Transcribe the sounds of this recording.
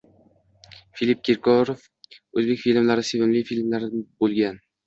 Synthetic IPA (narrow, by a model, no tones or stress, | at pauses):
filip̚kʲʰeɾkʰɒɾof | ɵzbekʲfilmlaɾɪsevɪmlɪjfilmlaɾbolˠɡʲan